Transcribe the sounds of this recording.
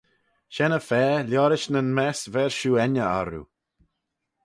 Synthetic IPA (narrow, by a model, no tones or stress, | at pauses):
ʃɛnəfɛːlʲjɔɾɪʃnənmɛsvɛɹʃuːɛnəa̰ɾṵ